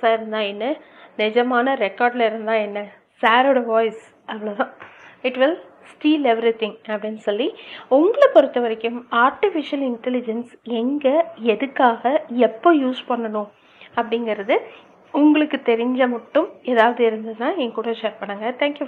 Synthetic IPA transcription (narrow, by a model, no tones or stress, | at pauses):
saːɪɾɯnd̪ãːɛnːɐ | nɪd͡ʒɐmaːnɐɾɛkːaːɾɖlɐɪɾɯnd̪ãːɛnːɐ | saːɾoːɽɐʋaːɪs | ʔɐʋɐɭɐt̪ãːɪʈʋɪl | sʈiːlɛʋɾit̪ɪ̃ŋɐpːɐɽɪnːɯsɔlːiʊŋɡɐɭɐpɔɾɯt̪ːɐʋɐɾɪkːɯmaːɾʈɪfɪʂɪɐlɪɳʈɛlɪd͡ʒɐnsɛŋɡɐɛðɯkːaːɣɐɛpːoːjuːspɐɳːɐnʊ̃ | ɐpːɐɽɪŋɡɪɾɐðɯ | ʊŋɡɐɭɯkːɯt̪ɛɾɪɲd͡ʒɐmɐʈːɯmeːðaːʋɐðɯɪɾɯnd̪ɐðnãːɛŋkuːɽɐʃeːɾpɐɳːɐːŋɡɐt̪ʰãːŋkju